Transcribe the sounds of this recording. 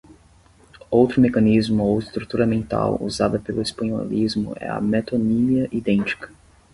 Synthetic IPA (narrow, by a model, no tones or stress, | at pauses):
owt̪ɾʊmekɐnizmʊowɪst̪ɾut̪uɾɐmẽnt̪a̰wṵzad̪ɐpelʊespɐ̃ɲo̰lizmʊ̰ɛ̰ɐ̰met̪oniliɐʔid̪ẽnt͡ʃi̥kɐ̥